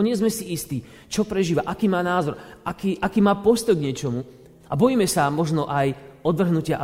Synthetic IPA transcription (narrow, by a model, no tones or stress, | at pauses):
ɲɪɛzmɛsiist̪iː | t͡ʃɔpɾɛʒiːʋaʔakiːmaːnaːzɔɾakiːʔakiːmaːpɔst̪ɔjɡɲɛt͡ʃɔmu | ʔabɔjiːmɛsamɔʒnɔʔajɔd̪ʋr̩ɦnucɪaʔ